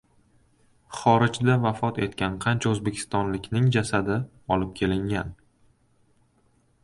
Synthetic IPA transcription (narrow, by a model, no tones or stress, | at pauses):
χɒɾɪd͡ʒd̪avafɒt̪e̞t̪kʲanqʰɑnt͡ʃʰaɵzbe̞kʲʰɪ̥st̪ɒnlɪkʲnɪŋd͡ʒasad̪ɪ | ɒlɪp̚kʲʰe̞lɪŋʲan